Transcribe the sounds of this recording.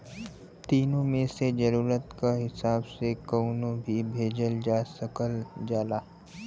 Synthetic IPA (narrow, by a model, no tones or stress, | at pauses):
t̪iːnõmẽsed͡ʒəɾuːɾət̪kaɦɪsaːbsekəʊnõbʱibʱeːd͡ʒəld͡ʒaːsəkəld͡ʒaːlaː